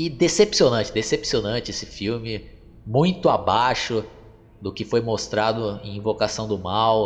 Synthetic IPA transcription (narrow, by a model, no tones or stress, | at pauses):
ɪd̪esepsionɐ̃t͡ʃɪd̪esepsionɐ̃t͡ʃɪesɪfiwmɪ | mũj̃t̪ʊabaʃʊ | d̪ʊkɪfojmost̪ɾad̪ʊẽj̃ĩvokasɐ̃w̃d̪ʊmaw